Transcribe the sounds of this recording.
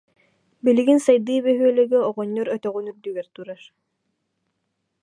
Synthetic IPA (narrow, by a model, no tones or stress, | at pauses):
biliɡinsajd̪ɯːβɛɦyœlɛɡɛɔʁɔɲːɔɾœt̪œʁunyɾd̪yɡɛɾt̪uɾaɾ